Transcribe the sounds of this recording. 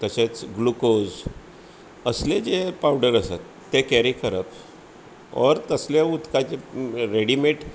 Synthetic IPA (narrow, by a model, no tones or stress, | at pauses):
t̪əɕet͡sɡlukod͡z | əsled͡zepawɖəɾəsat̪ːekɛɾikʰəɾəp | ɔ̰ɾt̪əsljaud̪kat͡ɕeɾeɽimeʈ